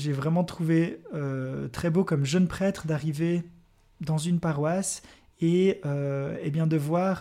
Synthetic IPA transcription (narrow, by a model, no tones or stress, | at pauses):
ʒevʁɛmɑ̃t̪χuveøt̪χɛbokɔmʒənpχɛt̪χd̪aʁive | d̪ɑ̃zynpaʁwas | eøebjɛ̃d̪əvwaːʁ